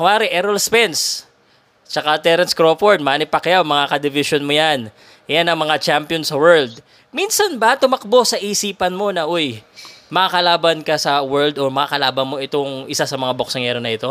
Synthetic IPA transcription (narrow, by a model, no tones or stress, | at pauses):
kʊaːɾɪʔɛɾɐlspɛns | t͡ʃɐkat̪ɛɾɐnskɾoːfoɹd̪̚maːnɪpɐkɐjamɐŋakɐd̪ɪvɪʃonmojan | janɐŋmɐŋat͡ʃampjonsɐwɛɹld̪̚ | minsɐnbɐt̪ʊmɐk̚bo̞sɐʔiːsiːpɐnmo̞nɐʔojmɐkakɐlaːbɐnkɐsɐwɛɹld̪omɐkakɐlaːbɐnmo̞ʔɪt̪oŋʔɪsasɐmɐŋabok̚sɐŋɛɾonɐʔɪt̪o̞